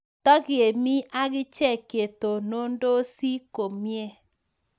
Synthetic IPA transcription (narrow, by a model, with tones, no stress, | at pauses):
tɔ˦ɡɪ˨e˨mi˦ʔa˦ɡɪ˦t͡ʃɛ˦˨ke˨to˨no˦ndo˦si˦ko˨mje˦